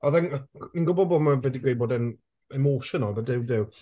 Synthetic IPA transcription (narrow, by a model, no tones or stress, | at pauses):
ɔðaninɡʊbɔbɔmavɛdiɡwejbɔdən | ɛmoːʃənɔlˠbadɪwdɪw